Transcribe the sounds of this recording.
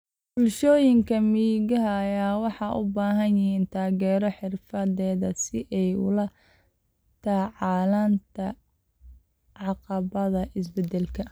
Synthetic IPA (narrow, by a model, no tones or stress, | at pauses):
b̥ʊlʃɔːjɪŋkʰɐmiːɣɐɦɐːjaːwɑħɑʔʊ̰baːɦɐnjɪɦiːnt̪ʰaːɣɛːɾɔħɪrfɐðɛːðɐsɪʔɛjʊ̰lɐ | t̪ʰɐʕɑːlaːnt̪ʰɐ | ʕɑqɑβɐðɐʔɪsbɛd̪ɛlkʰɐ